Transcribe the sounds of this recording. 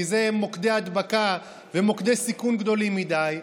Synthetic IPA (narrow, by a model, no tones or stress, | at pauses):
izemo̞kd̪ead̪baka | vemo̞kd̪e̞sikunɡd̪o̞limid̪aj